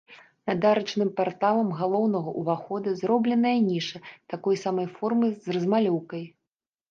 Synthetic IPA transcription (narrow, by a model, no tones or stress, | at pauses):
nɐd̪aɾɐt͡ʂnɨmpart̪alˠɐmɣalˠɔwnɐɣɐʔuvaxɔd̪ɐzrɔblʲɛnɐjɐnʲiʂɐt̪akɔjsamɐjfɔrmɨzrɐzmalʲɔwkɐj